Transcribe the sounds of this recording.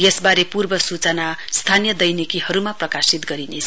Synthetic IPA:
jesbaɾepurbʌsut͡sʌnast̪ʰanjʌd̪ʌjnikihʌɾumaprʌkasit̪ɡʌɾinet͡sʰ

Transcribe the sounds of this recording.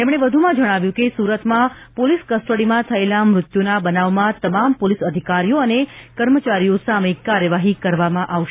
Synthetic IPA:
t̪emɽ̃eʋəd̪ʱumãd͡ʒəɽ̃aʋjũkesuɾət̪mã | poliskəsʈəɽimãt̪ʰəelamɾʊt̪jonabənaʋmãt̪əmampolisəd̪ʱikaɾijoənekəɾmət͡ʃaɾijosaməikːaɾjəʋaɦikəɾʋamãʔaʋʃ

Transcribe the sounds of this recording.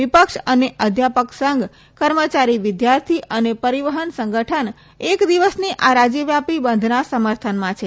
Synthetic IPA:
ʋipəkʃəneʔəd̪ʱjapəksəŋɡ | kəɾmət͡ʃaɾiʋɪd̪jaɾt̪ʰiʔənepəɾiʋəɦənsəŋɡʱəʈʰən | ekd̪iʋəsniʔaɾad͡ʒəʋjapibənd̪ʱnasəməɾt̪ʰənmãt͡ʃʰe

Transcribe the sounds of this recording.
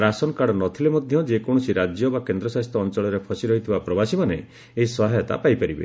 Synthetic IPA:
ɾasɔnkaɽɔnɔt̪ʰilemɔd̪ʱjɔd͡ʒekɔɽ̃ɔsiɾad͡ʒjɔbakend̪ɾɔsaɦist̪ɾɔːnt͡ʃɔɭɔɾepʰɔsiɾɔɦit̪ʰibapɾɔbasimaneː | ɦisɔɦajɔt̪a̰pajpaɾibḛ

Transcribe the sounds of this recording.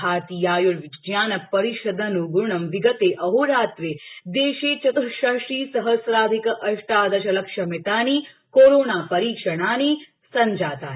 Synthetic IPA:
aːt̪iːjaːjuʋijaːnɐpːɐɾiʃɐd̪ənuɡuɳɐmʋiɡət̪eʔɐɦuɾaːt̪ʋeːd̪eːʃeːt͡ʃɐt̪uʃaʃiːsɐɦəsɾaːd̪ʱikʔɐʃʂʈaːd̪ɐʃɐlɐkʂɐmit̪aːni | koɾoːnaːpɐɾiːkʂɐɽ̃aːni | sɐɲd͡ʒaːt̪a̰ː

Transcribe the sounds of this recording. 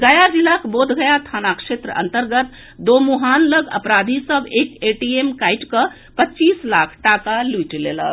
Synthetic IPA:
ɡəjad͡ʒilakbod̪ʱɡəjat̪ʰanakʃet̪ɾəə̰nt̪əɾɡət̪ | d̪omuɦanləɡə̰pɾad̪ʱisəbekeʈiemkajʈkə | pətːt͡ʃislakʰʈakalujʈlḛlə̰

